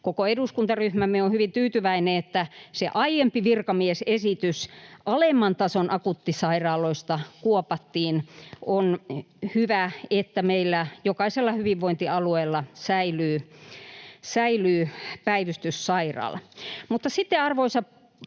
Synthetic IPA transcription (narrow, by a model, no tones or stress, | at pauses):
kokoeduskunt̪ɑryhmæmːeohyʋint̪yːt̪yʋæineet̪ːæseʔɑijempiʋirkɑmiesesit̪ysʔɑlemːɑnt̪ɑsonʔɑkut̪ːisɑirɑːloist̪ɑkuopɑt̪ːiːnʔonhyʋæet̪ːæmeilːæjokɑiselːɑhyʋiʋʋoint̪iɑlueːlːɑsæilyː | sæilyːpæiʋyst̪yssɑirɑ̰ːlmut̪ːɑsit̪ːeɑrʋoisɑ